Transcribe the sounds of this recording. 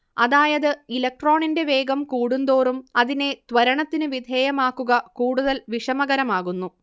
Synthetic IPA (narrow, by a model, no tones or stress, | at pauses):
ɐðaːjɐðɨilɐk̚ʈro̞ːɳinde̞ʋe̞ːɡɐmkuːɽund̪o̞ːrumɐðine̞d̪̥ʋɐɾɐɳɐt̪ːinɨʋid̪ʱe̞ːjɐmaːkːuɣɐkuːɽuðɐlʋiʂɐmɐɣɐɾɐmaːɣunːu